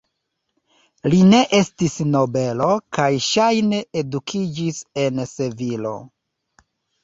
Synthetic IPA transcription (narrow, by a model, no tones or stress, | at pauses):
line̞ʔe̞stisno̞be̞lo̞kajʃajne̞edukʰid͡ʒise̞nse̞vilo̞̰